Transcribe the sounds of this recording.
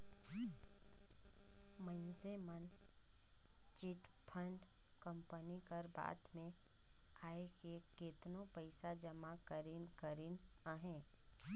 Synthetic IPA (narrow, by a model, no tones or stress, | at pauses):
mə̃nsemən | t͡ʃɪʈpʰə̃ɳɖ | kə̃mpənikəɾba̰ːt̪mẽ | aːekeket̪nõpəɪsad͡ʒəmakəɾɪnkəɾɪn | aɦɛ̃ː